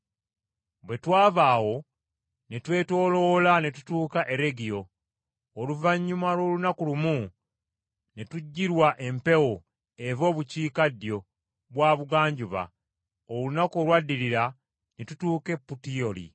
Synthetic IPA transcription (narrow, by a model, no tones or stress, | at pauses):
βwe̞twaːvaːwo̞ | ne̞twe̞ːto̞ːlo̞lanetu̥tuːkaʔe̞ɾe̞ɡijo̞ː | luvaɲːumalwo̞ːlunakulumu | ne̞tuɟːiɾwaʔe̞mpe̞wo̞ | e̞vo̞ːβuciːkadjo̞ | βwaːβuɡaːɲɟuβa̰ | olunakolwadːiliɾa | netutuːke̞pːutio̞lḭ